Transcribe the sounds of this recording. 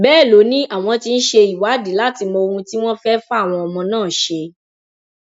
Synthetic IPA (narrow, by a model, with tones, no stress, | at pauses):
bɛː˦˨lo˨˦nĩ˦ʔa˦˨w̃ɔ̃˧ti˧n̩˦ʃe˧i˨wa˨˦di˨˦la˦ti˧mɔ̃˧o˧ɾũ˧ti˦w̃ɔ̃˦fɛ˦fa˦˨w̃ɔ̃˧ɔ˨mɔ̃˧nãː˦˨ʃe˧